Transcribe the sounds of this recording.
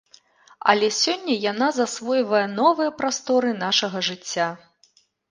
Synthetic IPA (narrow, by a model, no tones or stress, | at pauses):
ɐ̰lʲɛsʲɔnʲːɐjanazasvɔjvɐjɐnɔvɨjɐpɾast̪ɔɾɨn̪aʂɐɣɐʐɨt͡sʲːa